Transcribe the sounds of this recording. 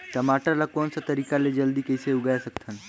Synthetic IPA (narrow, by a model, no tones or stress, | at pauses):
ʈɐmaːʈəɾlakɔːnsat̪ɐɾiːkaled͡ʒɐld̪ikəɪseʊɡaesɐkt̪ʰən